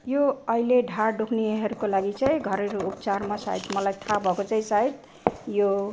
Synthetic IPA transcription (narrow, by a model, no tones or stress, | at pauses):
joʌileɖʱaɖukʰneɦʌɾukolaɡit͡saĩɡʱʌɾeɾuːpt͡sarmasa̰id̪mʌlajt̪ʰabʱʌkot͡saĩsait̪ | jo